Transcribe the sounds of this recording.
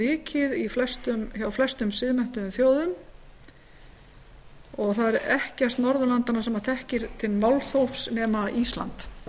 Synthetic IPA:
ɪːcʰɪðiflɛst̪ʏmçawflɛst̪ʏmsɪðmɛn̥t̪ʏʏmθjoːwðʏm | ɔɣθaðɛɾɛhcɛr̥t̪nɔɾðʏlant̪anasɛmaθɛhcɪɾ̥t̪ʰɪlmawlθowfsnɛːmaist̪la̰nt̪

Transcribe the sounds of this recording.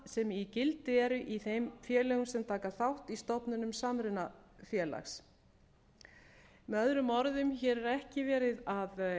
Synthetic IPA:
sɛmicɪlt̪ɪɛɾʏʔiθejmfjɛːlɛɣʏsɛmt̪ʰaːkaθawht̪ist̪ɔpnʏnʏmsaːmɾɪnafjɛːla̰xs | mɛœðɾʏmɔɾðʏmçɛːɾɛɾɛhcɪvɛːɾɪðað

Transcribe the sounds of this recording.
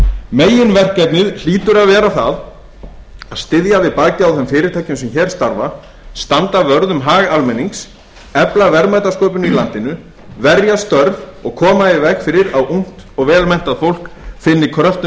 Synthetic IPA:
meːjɪnvɛr̥kɛp̪nɪðl̥iːt̪ʏɾaðvɛːɾaθað | aðst̪ɪðjavɪðpaːjcɪawθɛmfɪːɾɪɾt̪ʰajcʏmsɛmçɛɾ̥st̪aɾva | st̪ant̪avœɾðʏmɦaːɣalmɛnːiŋks | ɛplavɛɾmajt̪askoːwpʏnʏilant̪ɪnʏ | vɛɾjast̪œɾvɔɣkʰɔːmaɪvɛhkfɪːɾɪɾawʔuŋ̥t̪ɔɣvɛːlmɛn̥t̪aðfowl̥kfɪnːɪkʰɾœft̪ʏ

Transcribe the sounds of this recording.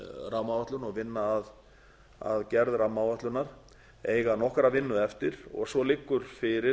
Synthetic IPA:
rawmavaht̪ʏnɔɣvɪnːaːð | a̰ðcɛɾðrawmawvɛht̪lʏnːaɾ̥ | eːjɣanɔhkɾavɪnːʏɛft̪ɪɾɔ̰ɣsvɔlɪkːʏɾ̥fɪɾɪ

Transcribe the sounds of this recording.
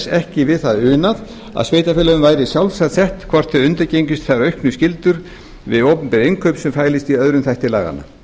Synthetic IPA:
sɛhcɪvɪðθaðʏːnað | a̰ðsvejt̪afɪːlaʏmvaːjɾɪsjawlsat̪sɛht̪kʰvɔr̥t̪ʰœʏnt̪aɾcejɲcʏst̪θaɾœɥhknʏscɪlt̪ʏɾ̥ | vɪ̰ðoːwpʏmpɪɾejŋkʰœɥpsɛmfaːjlɪst̪iœðɾʏmθɛjht̪ɪlaːɣa̰na̰

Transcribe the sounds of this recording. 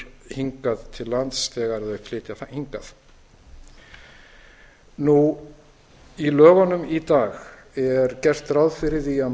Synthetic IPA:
hiŋkaðt̪ʰɪlːant̪st̪ɛːɣaɾðœflɪːt̪jaθhiŋkaθ | nu | ilœːɣanʏmit̪aːɣ | ɛɾcɛr̥t̪rawðfɪɾɪðia

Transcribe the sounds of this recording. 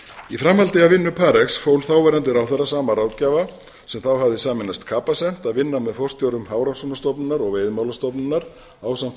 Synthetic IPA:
ifɾamhalt̪ɪavɪnːʏpʰaːɾɛksfowlθawvɛɾant̪̬ɪɾawθɛrːasaːmaɾaːw̪caːva | sɛmθawɦavðɪsaːmɪnːast̪kʰaːpasɛm̥t̪aðvɪnːamɛðfɔr̥st̪jowɾʏmhaːwɾansɔnast̪ɔpnɪnaɾɔɣveːjðmawlast̪ɔpnɪnːaɾ̥ | aːwsam̥t̪

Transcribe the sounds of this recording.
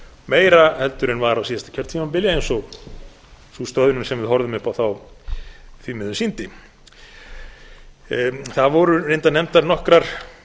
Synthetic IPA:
meːjɾahɛlt̪ʏɾɪnvaɾawsiːðast̪ḁcʰœɾ̥t̪ʰimampɪljaejnsɔɣ | sust̪œːðʏnʏnsɛmvɪðhɔɾðʏmʏhpawθaw | θvimɪðʏsint̪ɪ | θaðvɔɾʏɾejnt̪anɛm̥t̪aɾnɔhkɾaɾ̥

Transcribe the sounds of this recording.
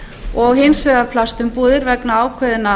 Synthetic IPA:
ɔɣhɪnsvɛðaɾpʰlast̪ʏmpuːðɪɾvɛknaaːwkʰœðɪna

